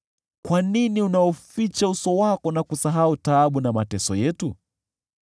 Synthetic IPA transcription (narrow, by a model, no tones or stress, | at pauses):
kwaniniunaɔfit͡ʃausɔwakɔnakusaɦautaːɓunamatɛsɔjɛtu